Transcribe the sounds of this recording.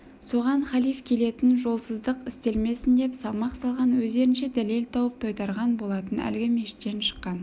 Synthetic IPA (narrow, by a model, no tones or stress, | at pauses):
so̞ʁɑnχɑlijfkʲʰe̞le̞t̪ɪnʒo̞lˠsəzd̪əqɪst̪e̞lme̞sɪnd̪e̞psɑlˠmɑqsɑlˠʁɑnwɵzd̪e̞ɾɪnʃe̞d̪æle̞lt̪ʰɑwəp̚t̪ʰojt̪ɑɾʁɑnbo̞lˠɑt̪ənæ̰lɡʲɪme̞ʃɪ̥t̪ːenʃə̥qːɑn